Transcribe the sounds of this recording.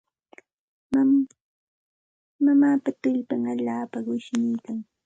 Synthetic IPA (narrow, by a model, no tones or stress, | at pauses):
mamaːpat̪ʊʎpaŋaʎaːpawɪʃnɪjkaŋ